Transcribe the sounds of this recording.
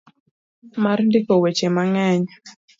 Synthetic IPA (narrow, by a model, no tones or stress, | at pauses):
marndikowet͡ʃemaŋɛɲ